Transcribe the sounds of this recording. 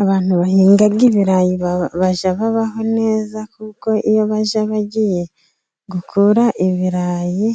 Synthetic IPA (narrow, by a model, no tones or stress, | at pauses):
aβaːn̥huβahiːŋɡaɡiβiɾajiββaʒaβaβaho̞ne̞ːzakuko̞ʔijo̞βaʒaβaɟije̞ | ɡukʰuːɾaʔiβiɾaːji